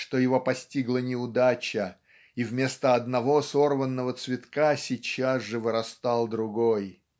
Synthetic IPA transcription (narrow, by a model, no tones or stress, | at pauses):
ʂt̪o̞jɪvo̞pɐsʲtʲiɡlˠənʲɪʊd̪at͡ɕə | ivmʲe̞st̪əɐd̪nɐvo̞sorvənːəvət̪svʲɪt̪kasʲɪt͡ɕazʐɨvɨɾɐst̪ɑlˠd̪ɾʊɡoj